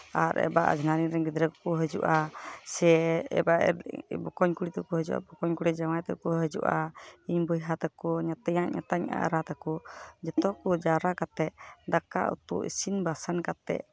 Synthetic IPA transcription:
aɾɛ̰ba̰ʔd͡ʒnaɾiɾɛɡid̪ɾɛkkɔɦəd͡ʒṵʔasɛɛ̰baʔbɔkɔɲkuɽit̪ɔkɔɦəd͡ʒuʔa̰bɔkɔɲkuɽid͡ʒawajt̪ɛ̰kuɦəd͡ʒṵʔa̰iɲbəjɦat̪akɔɲat̪ɛjaʔɲa̰t̪aɲa̰ʔɾat̪akɔd͡ʒɔt̪ɔkɔd͡ʒaɾakat̪ɛʔ̚d̪aka̰ʔṵt̪ṵʔḭsinbasankat̪ɛ̰ʔ

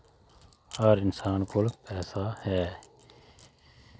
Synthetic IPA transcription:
aɾɪnsaːnkʊlpɛːsahɛː

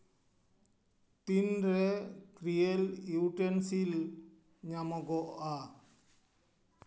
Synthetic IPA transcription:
ʈinɾɛkɾijeluwʈensil | ɲamɔɡɔʔa

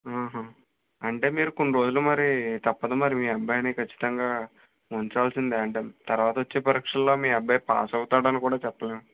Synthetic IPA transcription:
aːɦɐ | ɐɳʈe̞ːmiːɾuko̞ɳɖiɾo̞ːd͡ʒulumɐɾit̪ɐpːɐd̪ɐmɐɾimiːɐbːajɐnikɐt͡ʃːi̥t̪ɐŋɡaː | oɲt͡ʃaːlsind̪iɐɳʈeːt̪ɐɾʋaːt̪ɐʋot͡ʃːe̞ːpɐɾiːkʂɐllo̞ːmiːɐbʱːɐjpa̰ːsɐwut̪aːɽɐnikuːɽaːt͡ʃɛpːɐleːn

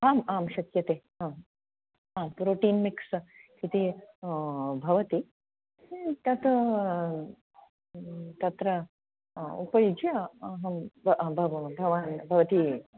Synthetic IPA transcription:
aːmaːmʃɐkjɐt̪eː | aː | aːmpɾoːʈiːnmikskit̪i | bʱɐʋɐt̪i | t̪ɐt̪ɐ | t̪ɐt̪ɾɐ | upɐjud͡ʒjɐɐɦɐmbbʱɐbʱɐʋaːnbʱɐʋɐt̪i

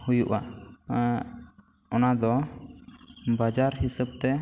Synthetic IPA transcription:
hujuʔa | ɔnad̪ɔ | bad͡ʒaɾɦisəb̚t̪ɛ

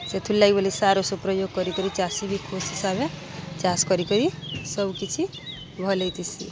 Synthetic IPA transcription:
set̪ʰulːajbolisaɾosopɾɔjoɡ̚kʌɾikɔɾit͡ʃasibikʰosɦisabet͡ʃaskʌɾikɔɾisʌbkit͡ʃʰi | bʱɔlejt̪isḭ

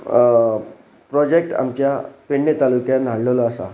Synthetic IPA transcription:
pɾɔd͡ʑek̚ʈa̰mt͡ɕjapeɳːet̪alukjãnʱɦaɽləlɔasa̰

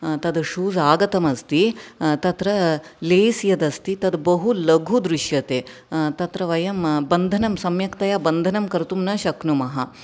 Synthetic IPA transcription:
t̪ɐd̪ʃuːzaːɡɐt̪ɐmɐst̪it̪ɐt̪ɾɐleːsjɐd̪ɐst̪it̪ɐd̪bɐɦulɐɡʱud̪ɾuʃjɐt̪eː | t̪ɐt̪ɾɐʋɐjɐmbɐnd̪ʱɐnɐmsɐmjɐkt̪ɐjaːbɐnd̪ʱɐnɐmkɐɾt̪umnɐʃɐknumɐɦɐ

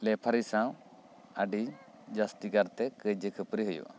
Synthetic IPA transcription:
lɛpʰaɾisaw | aɖi | d͡ʒast̪ikaɾt̪ɛkəd͡ʒəkʰəpɾiɦəjṵʔa̰

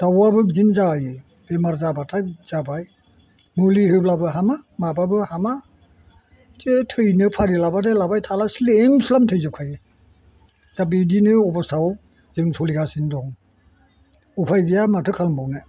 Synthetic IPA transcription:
d̥awabɯzinzajɯ | bemaɾzabatʰajz̥abaj | mulihɯblabɯɦamamababɯhama | tetʰɯjnɯpʰaɾilabatajlabajtʰalasileŋsulamtʰɯjzɯkʰajɯ | dabidinɯɔbɔsaw | zɯŋsʰolikʰasindɔŋ | upʰajbijamatʰɯkʰalmbawna

